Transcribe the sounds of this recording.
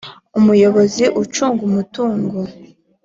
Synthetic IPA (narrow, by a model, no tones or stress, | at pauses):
umujo̞βo̞ziʔut͡ʃuːŋɡumutuːŋɡo